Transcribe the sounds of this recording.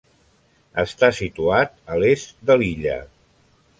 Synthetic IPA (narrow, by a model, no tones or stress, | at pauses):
əst̪asit̪uat̪̚əlest̪d̪əliʎə̰